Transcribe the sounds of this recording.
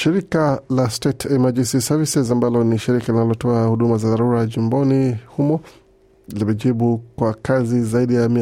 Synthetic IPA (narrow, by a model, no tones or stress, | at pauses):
ʃiɾikalastɛtʰɛmad͡ʒisisavisɛzambalɔniʃiɾikalinalɔtɔahuɗumazaðaɾuɾaʄimbɔnihumɔ | ilimɛʄiɓukwakazizaiɗijami